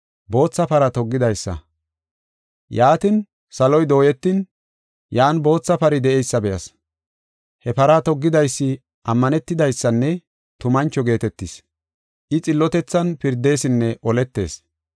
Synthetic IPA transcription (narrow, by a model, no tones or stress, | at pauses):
bo̞ːt͡sːɐpɐɾɐt̪ɔɡːɪd̪ɐjsːɐ̰ | jaːt̪ɪn | sɐlɔjd̪o̞ːjɛt̪ːɪn | jaːnbo̞ːt͡sːɐpɐɾɪd̪ɛʔɛjsːɐbɛjɐ̰s | hɛpɐɾat̪ɔɡːɪd̪ɐjsːɪ | ʔɐmːɐnɛt̪ːɪd̪ɐjsːɐnːɛ | t̪ʊmɐnt͡ʃːɔɡe̞ːt̪ɛt̪ːɪs | ʔɪt͡sʼɪlːɔt̪ɛt͡sːɐnpɪɾd̪e̞ːsɪnːɛʔɔlɛt̪ːe̞̰ːs